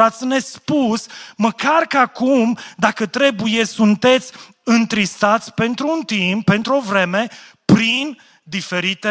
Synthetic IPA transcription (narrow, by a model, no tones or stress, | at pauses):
at̪sʲne̞spusməkarkəakumd̪akət̪ɾe̞buje̞sunt̪e̞t̪sʲ | ɨnt̪ɾist̪at̪sʲpe̞nt̪ɾuːnt̪impːe̞nt̪ɾuo̞vɾe̞me̞ | pɾin | d̪ife̞ɾit̪e